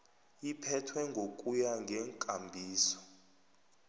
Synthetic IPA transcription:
ipʰɛtʰwɛŋɡʱokʼujaŋɡʱɛŋkʼambʱiːsɔ̥

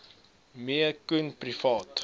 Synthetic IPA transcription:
miəkunprifɑːt

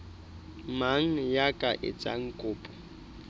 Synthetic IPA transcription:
maŋ̩jakʼaʔɪ̰t͡sʼa̰ŋ̩kʼʊːpʼɔ̥

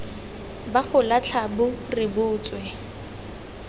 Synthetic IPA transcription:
baχʊlat͡ɬʰabʊrɪbʊːt͡swɛ

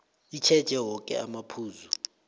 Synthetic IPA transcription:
it͡ʃʰɛd̥ʒ̥ʱɛwɔkʼɛ̰amapʰuːzu

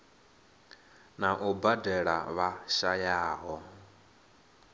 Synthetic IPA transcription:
naʔubadɛɺa̰βaʃajaːɦɔ

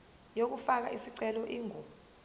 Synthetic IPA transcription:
jok̬ufak̬a̰ʔisiǀɛlɔʔiːŋu

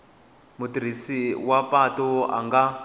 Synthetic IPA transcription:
mutiɾ̤isiwapatɔa̰ŋɡa

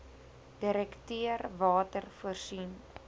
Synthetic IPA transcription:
d̥iɾɛktiərvɑːtərfuərsin

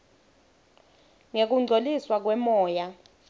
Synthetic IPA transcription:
ŋek̬uŋ͡ǀʱoliswak̬wɛmɔːja

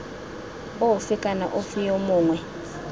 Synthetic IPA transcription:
owufɪkʼana̰ʔofijomʊːŋwɛ

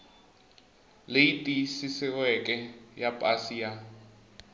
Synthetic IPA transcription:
leitʼiisisɪwɛkʼɛjapʼasija

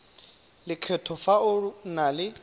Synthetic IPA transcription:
lɪkʰɛtʰɔfaʊnalɪ

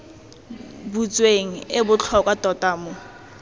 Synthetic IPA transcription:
but͡sʼweŋ̩ɪbʊt͡ɬʰɔkʼwatʼɔtaːmʊ

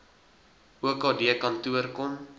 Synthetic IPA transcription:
uəkɑːdiəkɐntuərkɔm

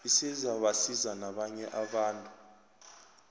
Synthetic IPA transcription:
isizaɓasizanaɓaɲɛʔaɓaːntʼu

